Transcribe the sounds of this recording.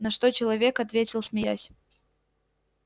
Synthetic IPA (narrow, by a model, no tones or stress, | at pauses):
nɐʂt̪o̞t͡ɕɪlˠɐvʲe̞kɐt̪vʲetʲɪlˠsmʲɪja̰sʲ